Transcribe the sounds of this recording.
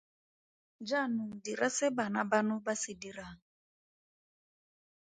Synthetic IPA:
d͡ʒanʊdiɾʔasɪbanabanʊbasidiɾaŋ̩

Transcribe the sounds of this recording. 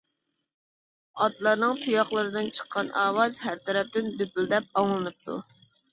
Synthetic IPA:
ɑt̪lˠɑɾnɨŋt̪ʰujɑχlˠəɾɨd̪ɨnt͡ʃʰə̥qʰːɑnʔɑːwɑzɦæɾt̪ʰɛɾɛp̚t̪ɪnd̪ypyld̪ɛp̚ɑŋlˠɨnɨp̚t̪ʰṵ

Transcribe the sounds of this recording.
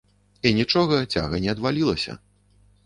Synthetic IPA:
inʲit͡ʂɔɣɐt͡sʲa̰ɣɐnʲɛɐd̪valʲilˠɐsʲɐ̰

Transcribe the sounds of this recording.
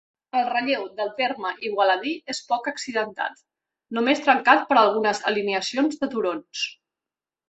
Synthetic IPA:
əlˠrəʎewðəlˠt̪eɾməʔiɣwələð̞iespɔkəksiðənt̪a̰t̪ | numest̪ɾəŋkat̪̚pəɾəlˠɣ̞unəzə̰liniəsionzðət̪uɾons

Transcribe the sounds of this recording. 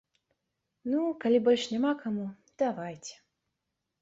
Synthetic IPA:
nukalʲibɔlʲʂnʲamakamu | d̪̥avajt͡sʲɛ̥

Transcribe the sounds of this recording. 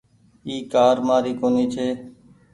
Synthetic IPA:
iːkaːɾmãːɾiːkoːniːt͡ʃʰeː

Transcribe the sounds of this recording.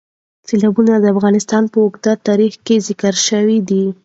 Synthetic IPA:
selɑbunad̪əafɣɑnɪst̪ɑnpəʊɡd̪at̪ɑɾixkezɪkəɾʃəwid̪i

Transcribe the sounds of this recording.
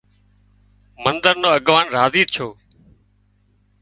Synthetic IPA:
mənd̪əɾnoːəɠʋaːnɾaːziːt̪̚t͡ʃʰoː

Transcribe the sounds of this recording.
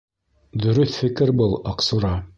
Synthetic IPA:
d̪ɵ̆ɾɵθfɘ̆kɘɾbɤlˠɑqsuɾɑ

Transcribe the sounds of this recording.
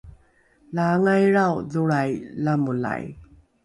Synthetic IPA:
laŋajɾawðuɾajlamula̰j

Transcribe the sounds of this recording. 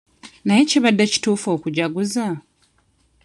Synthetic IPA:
naje̞ceβadːaci̥tuːfoːkuɟaɡuza

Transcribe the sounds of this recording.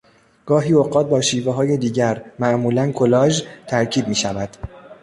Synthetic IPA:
ɡ̥ɒːɦiːoɢɒːt̪̚bɒːʃiːveɦɒːje̞d̪iːɟæɾmæʔmuːlænkʰolɒːʒt̪ʰæɾcʰiːb̪̚miːʃævæd̪̥

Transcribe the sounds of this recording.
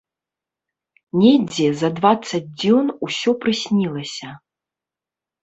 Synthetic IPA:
nʲɛd͡zʲɛzɐd̪vat̪sːɐd͡zʲd͡zʲɔnusʲɔpɾɨsʲnʲilˠɐsʲɐ

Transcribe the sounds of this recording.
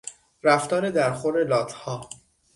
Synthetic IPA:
ɾæft̪ɒːɾe̞d̪æɾxoɾelɒːt̪ʰhɒː

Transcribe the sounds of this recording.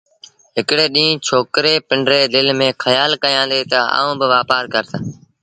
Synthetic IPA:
ɦɪkɽeːɗĩːt͡ʃʰoːkɾeːpɪɳɖɾeːd̪ɪlmẽːkʰəjaːlkəjãːnd̪eːt̪əa̰ːũːbɪʋaːpaːɾkəɾt̪a

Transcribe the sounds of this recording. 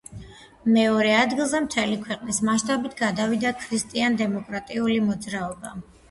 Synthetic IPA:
mɛɔɾɛad̪ɡilˠzɛmt̪ʰɛlikʰwɛqʼnismaʃt̪ʼabit̪ʰɡad̪avid̪akʰɾist̪ʼiand̪ɛmɔkʼɾat̪ʼiulimɔd̪zɾaɔba

